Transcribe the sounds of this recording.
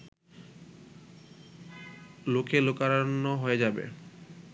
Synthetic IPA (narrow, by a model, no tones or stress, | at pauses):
lokelokaɾanːoɦoed͡ʑabḛ